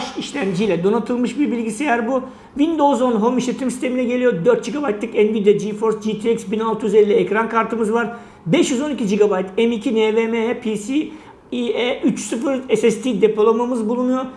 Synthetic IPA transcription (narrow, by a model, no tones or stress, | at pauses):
ʃiʃlʲæmd͡ʒijlʲɛd̪o̞nat̪ʰɯlˠmɯʃbiɾbilʲɟisiejæɾbu | vind̪o̞zo̞nɦo̞miʃlʲe̞t̪ʰimsist̪ʰe̞minɛɟe̞lʲijo̞d̪ø̞ɾt̪̚d͡ʒiɡabajt̪lˠɯkɛnvid̪ad͡ʒifo̞ɾsd͡ʒit̪ʰiɛksbinalˠt̪ʰɯjyzelʲːiɛcɾankʰaɾt̪ʰɯmɯzvaɾ | bɛʃjyzo̞nicʰid͡ʒiɡabajt̪ʰɛmicʰinevemepʰisi | ieyt͡ʃsɯfɯɾesɛst̪ʰid̪epʰolˠamamɯzbulˠunujo̞ɾ